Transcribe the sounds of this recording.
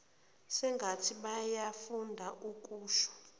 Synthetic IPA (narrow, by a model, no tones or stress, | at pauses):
sɛŋɡʱatʰiɓajafundʱaʔuk̬ʼuːʃɔ̥